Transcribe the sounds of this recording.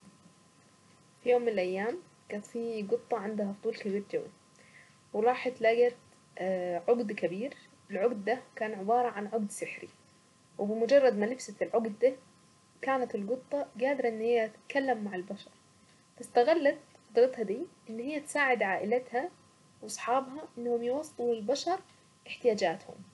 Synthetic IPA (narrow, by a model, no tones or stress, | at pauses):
fijoːmːɪnɪlʔajːaːm | kaːt̪fiːɡɨt̪ˤːɑʕɪnd̪haft̪ˤuːlkabiːɾd͡ʒawːḭ | wɪɾˤɑːħɑt̪laːɡat̪ | ʕʊɡd̪kabiːɾ | ɪlʕʊɡd̪ːakaːnʕɪbɑːɾˤɑʕanʕʊɡd̪sɪħɾḭ | wɪbɪmʊd͡ʒɑrˤːɑd̪malɪfsalʕʊɡd̪d̪a | kaːnat̪ɪlɡɨt̪ˤːɑɡaːd̪ɾɑʔɪnːhɪjːaʔt̪ɪt̪kalːamːaʕɪlbaʃɑɾˤ | fast̪aɣalːat̪ɑd̪ɾɑt̪hɑd̪iːʔɪnːhɪjːat̪saːʕɪd̪ʕaːʔɪlat̪ha | wɑsˤħɑːbɦɑʔɪnːhʊmjɪwɑsˤːt̪ulɪlbaʃɑɾˤ | ʔɪħt̪ɪjaːd͡ʒaːt̪hʊ̰m